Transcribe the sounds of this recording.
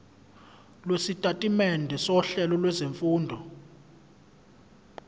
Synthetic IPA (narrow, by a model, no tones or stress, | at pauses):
lwesitʼatʼimɛndʱɛsɔɬɛlɔlwɛzeɱfuːndʱɔ